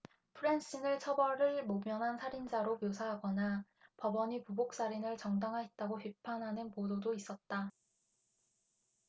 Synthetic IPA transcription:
pʰɯɾens͈inɯɭt͡ɕʰʌbʌɾɯɭmomjʌnɦansʰaɾind͡ʑaɾomjosʰaɦaɡʌna | pʌbʌɲipubok̚s͈aɾinɯɭt͡ɕʌŋdaŋɦaɦet̚t͈aɡoɸɥipʰanɦanɯnpododois͈ʌt̚t͈a

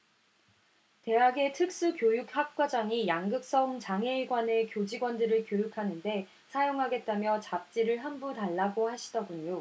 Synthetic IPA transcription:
te̞ɦaɡe̞tʰɯk̚s͈ɯkjojuk̚hak̚k͈wad͡ʑaŋijaŋɡɯk̚s͈ʌŋt͡ɕaŋɦe̞iɡwane̞kjod͡ʑiɡwʌndɯɾɯɭkjojukʰanɯnde̞ | sʰajoŋɦaɡe̞t̚t͈amjʌt͡ɕap̚t͡ɕ͈iɾɯɭɦambutaɭːaɡohaɕʰi̥dʌɡuɲo

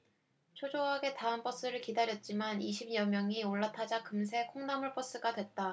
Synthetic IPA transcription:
t͡ɕʰod͡ʑoɦaɡe̞taɦɯnp͈ʌs͈ɯɾɯɭkidaɾjʌt̚t͡ɕ͈imaniɕʰimɲʌmjʌŋioɭːatʰad͡ʑakɯms̬ʰe̞kʰoŋnamuɭp͈ʌs͈ɯɡadwe̞t̚t͈a

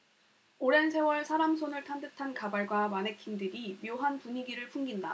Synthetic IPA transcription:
oɾe̞nsʰe̞wʌɭsʰaɾamsʰonɯɭtʰandɯtʰankabaɭɡwamane̞kʰindɯɾimjoɦanpuɲiɡiɾɯɭpʰuŋɡinda

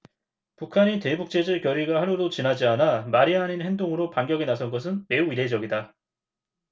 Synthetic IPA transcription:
pukʰaɲite̞buk̚t͡ɕ͈ed͡ʑɯɭkjʌɾiɡahaɾodot͡ɕinad͡ʑianamaɾianinɦe̞ndoŋɯɾopaŋɡjʌɡinasʰʌnɡʌs̬ʰɯnme̞uiɾe̞d͡ʑʌɡida

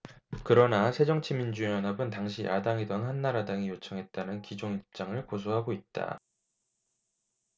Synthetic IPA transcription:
kɯɾʌnasʰe̞d͡ʑʌŋt͡ɕʰimind͡ʑujʌnabɯntaŋɕ̬ʰiʔa̰daŋidʌnɦanːaɾadaŋijot͡ɕʰʌŋɦe̞t̚t͈anɯnkid͡ʑoŋip̚t͡ɕ͈aŋɯɭkos̬ʰoɦaɡoit̚t͈a̰

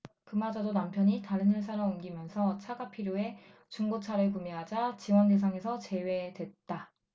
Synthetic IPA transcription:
kɯmad͡ʑadonampʰjʌɲitaɾɯnɯɭsʰaɾʌumɡimjʌnsʰʌt͡ɕʰaɡapʰiɾjoe̞ | t͡ɕuŋɡot͡ɕʰaɾɯɭkumeɦad͡ʑat͡ɕiwande̞s̬ʰaŋe̞sʰʌt͡ɕe̞we̞dwe̞t̚t͈a

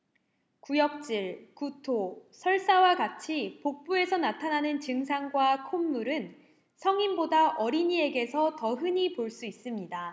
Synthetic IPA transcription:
kujʌk̚t͡ɕ͈iɭkutʰosʰʌɭs͈awaɡat͡ɕʰipok̚p͈ue̞sʰʌnatʰananɯnt͡ɕɯŋsʰaŋɡwakʰomːuɾɯn | sʰʌŋimbodaʔʌɾiɲie̞ɡe̞sʰʌtʌɦɯɲipoɭs͈uis͈ɯmɲida

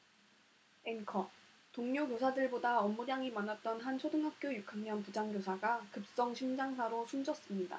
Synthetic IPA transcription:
enkʰʌ | toŋɲokjosʰadɯɭbodaʌmːudjaŋimanat̚t͈ʌnɦant͡ɕʰodɯŋɦak̚k͈jojukʰaŋɲʌnpud͡ʑaŋɡjosʰaɡakɯp̚s͈ʌŋɕʰimd͡ʑaŋs̬ʰaɾosʰund͡ʑʌs͈ɯmɲida̰

